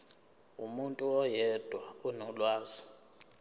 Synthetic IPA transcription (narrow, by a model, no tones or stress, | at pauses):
ṵmuntʼuɔjɛd̥ʱwaunulwaːsi̥